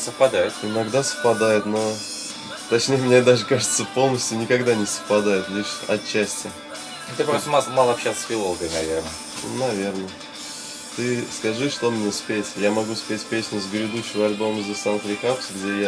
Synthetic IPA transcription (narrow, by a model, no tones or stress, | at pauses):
səfpɐd̪ajɪt̪ɪnɐɡd̪asə̥fpɐd̪ajʊt̪no | t̪ɐt͡ɕnʲejəmnʲed̪aʐɨkaʐɨt̪səpo̞lˠnəsʲtʲjʊnʲɪkɐɡd̪anʲɪsə̥fpɐd̪ajɪt̪lʲiʂɐ̰t̪t͡ɕːæsʲtʲɪ | t̪ɨkpɾost̪əmamalˠɐpɕat̪sə̥sfʲɪlˠolˠəɡəjnɐvʲernə̰ | nɐvʲe̞rnə | t̪ɨskɐʐɨʂt̪omnʲespʲetʲjamɐɡuspʲetʲpʲesʲnʲʊzɡɾʲɪd̪uɕːɪvəɐlʲbo̞məzʲəsant̪ɾʲɪkapsɡdʲeja